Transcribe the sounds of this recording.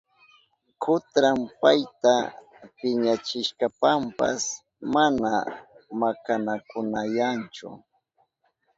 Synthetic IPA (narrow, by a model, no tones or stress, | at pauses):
kʰʊt̪ɾampajt̪a | pɪɲat͡ʃɪʃkapampa̰s | manamakanakʊnajant͡ʃʊ̰